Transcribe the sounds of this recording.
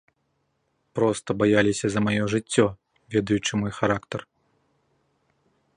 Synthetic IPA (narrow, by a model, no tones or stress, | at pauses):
pɾɔst̪ɐbajalʲisʲɐzɐmajɔʐɨt͡sʲːɔ | vʲɛd̪ɐjut͡ʂɨmɔjxaɾakt̪ɐr